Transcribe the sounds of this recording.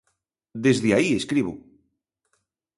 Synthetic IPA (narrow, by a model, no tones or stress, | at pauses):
d̪ezðeaieskɾiβu